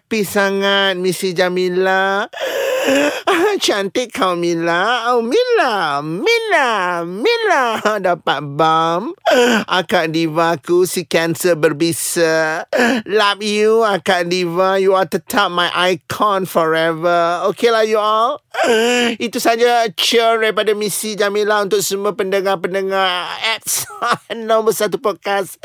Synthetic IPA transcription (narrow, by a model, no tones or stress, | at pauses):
pisaŋat̪̚misid͡ʒamĩnla | t͡ʃant̪ɪʔ̚kʰawmĩnlaawmĩlamilamiladapat̪̚bamʔa̰kaʔ̚divãkusikɛnsəbərbisə | lap̚juakaʔdivajuat̪ət̪ʰap̚majʔajkʰɔnfɔɹɛvəokelahjual | it̪usad͡ʒat͡ʃəɾaipadamisid͡ʒamĩnlaɦunt̪ʊk̚səmuãpəndəŋapəndəŋaɛt̪̚sanãbəsat̪upɔt̚kas